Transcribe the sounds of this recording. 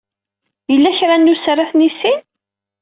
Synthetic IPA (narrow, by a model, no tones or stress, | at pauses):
jəlːæçɾanːusrˤːaθnisin